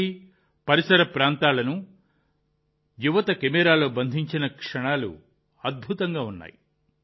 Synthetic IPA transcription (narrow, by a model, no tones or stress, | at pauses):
i | pɐɾisɐɾɐpɾaːnt̪aːlɐnu | juʋɐt̪ɐkemɛːɾaːlo̞ːbɐnd̪ʱiɲt͡ʃinɐkʂɐɳaːlṵ | ɐd̪̚bʱut̪ɐŋɡaːunːa̰ːji